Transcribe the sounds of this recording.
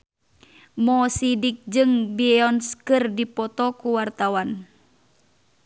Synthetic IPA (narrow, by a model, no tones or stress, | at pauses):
mɔsidik̚d͡ʒɨŋbiɛɔnskɨrdipɔt̪ɔkuwart̪awan